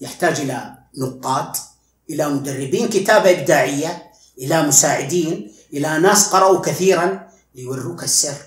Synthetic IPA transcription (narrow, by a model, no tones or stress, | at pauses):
jɪħt̪aːd͡ʒʔɪla | nʊqːɑːt̪ | ʔɪlamʊd̪arːɪbiːnkɪt̪aːbaʔɪb̚d̪aːʕɪjːa | ʔɪlamʊsaːʕɪd̪iːn | ʔɪlanaːsqɑɾˤɑʔukaθiːɾan | lɪjwarːuːkasːɪrː